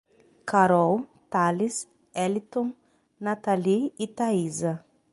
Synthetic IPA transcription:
kaɾɔwt̪alis | ɛlit̪õ | nat̪aliit̪aizɐ

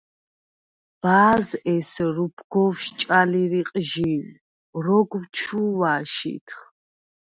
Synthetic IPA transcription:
b̥aːzɛsɾupʰɡɔfʃt͡ʃʼaliɾiqʼʒil | rɔɡwt͡ʃʰuwaːʃḭt̪ʰχ

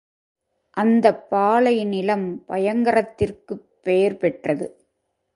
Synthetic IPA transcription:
ʔɐnd̪ɐpːaːlɐɪnɪlɐmpɐjɐŋɡɐɾɐt̪ːɪrkɯpːeːɾpɛʈrɐðɯ

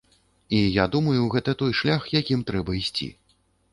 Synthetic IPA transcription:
ijad̪umɐjuɣɛt̪ɐt̪ɔjʂlʲaxjakʲimt̪ɾɛbɐisʲt͡sʲḭ

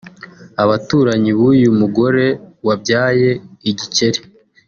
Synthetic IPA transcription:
aβatuːɾaɲiβuːjumuɡo̞ɾe̞wabɟaːje̞iɟice̞ɾi̥

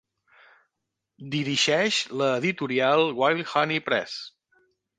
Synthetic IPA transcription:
d̪iɾiʒɛʃləðit̪uɾialˠwajlxanipɾɛ̰s

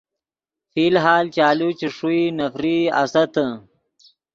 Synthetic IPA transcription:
filɦaːlt͡ʃaːlut͡ʃiʂuinɐfɾiɐ̰sɐt̪ə

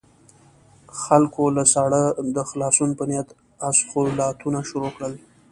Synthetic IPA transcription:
xalkʰolasɑɽəd̪əxlɑsunpənjat̪ | asxolɑt̪ʰunaʃuɾokɽəl

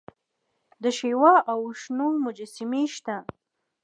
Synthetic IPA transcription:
d̪əʃewɑʔawʃnomʊd͡ʒasimeʃt̪a

